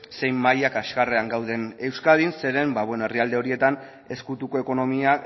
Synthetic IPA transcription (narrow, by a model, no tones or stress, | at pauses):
se̞jmːajakaskare̞aŋɡawð̞e̞ne̞wskað̞inse̞ɾe̞mbaβwe̞noe̞riald̪e̞o̞ɾie̞t̪an | e̞skut̪uko̞e̞ko̞no̞mia